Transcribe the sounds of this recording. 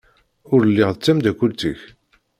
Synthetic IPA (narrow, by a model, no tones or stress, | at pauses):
ʊɾəlːɪʁðət͡sːæmd̪ækʷːʊlt̪ə̰ç